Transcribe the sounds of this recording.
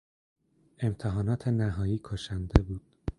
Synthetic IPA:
e̞mt̪ʰeɦɒːnɒːt̪ʰenæɦɒːjiːkʰoʃænd̪ebuːd̪̥

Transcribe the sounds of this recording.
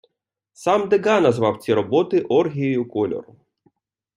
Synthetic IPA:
sɑmd̪eɡɑnɐzʋɑwt͡sʲiɾɔbɔt̪ɪʔɔrɦʲijɔjʊkɔlʲɔ̰rʊ

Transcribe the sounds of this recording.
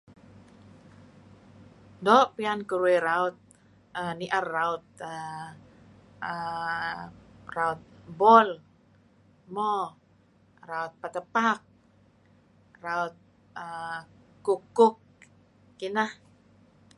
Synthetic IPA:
doʔpiankuɾueɾaʊt̪̚ | əniʔarːaut̪̚ə | ə | raut̪̚bɔl | mɔ | raut̪̚pat̪əpak̚ | raut̪̚ | əkukːʊk̚ː | inah

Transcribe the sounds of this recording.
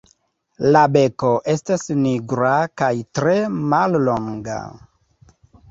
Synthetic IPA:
labe̞ko̞ʔe̞stasniɡɾakajtɾe̞mallo̞ŋɡa̰

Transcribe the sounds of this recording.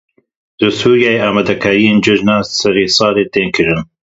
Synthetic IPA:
d̪̥ɨsuːɾjaːjeaːmad̪ɐkʰaːɾijeːnd͡ʒɨʒnaːsɐɾeːsɑːleːt̪eːnkʰɨɾɨn

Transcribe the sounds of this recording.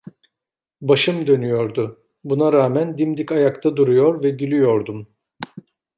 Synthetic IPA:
baʃɯmd̪ø̞nyjo̞ɾd̪ʊ | bunaɾaːmænd̪imd̪ikajakt̪ʰad̪uɾujoɾvɛɟylʲyjo̞ɾd̪um

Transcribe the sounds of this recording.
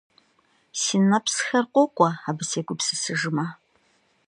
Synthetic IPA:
sinɐpsxɐrqʷɔqʷʼɔaːbɨseːɡʷʊpsɨsɨʒɨmaː

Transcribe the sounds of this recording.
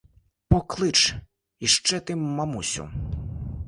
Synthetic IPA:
pɔklˠɪt͡ʃ | iʃt͡ʃɛt̪ɪmɐmusʲʊ̰

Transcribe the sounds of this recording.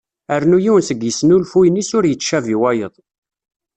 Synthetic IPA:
əɾnujiwnsəɡjəsnulfujnisʊɾjət͡sːʃæviwæjəðˤ

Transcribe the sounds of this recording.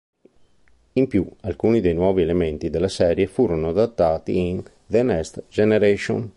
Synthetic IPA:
impjualkuːnid̪ejnwɔːvielemɛnt̪id̪elːasɛːɾjefuːɾonoad̪at̪ːaːt̪ḭin | d̪enɛst̪d͡ʒɛneɾeʃo̰n

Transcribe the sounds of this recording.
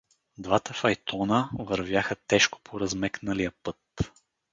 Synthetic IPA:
d̪vat̪əfɐjt̪ʰɔnəvəɾvʲjaxət̪ɛʃko̥pʰoɾɐzmɛknəlijəpɤt̪

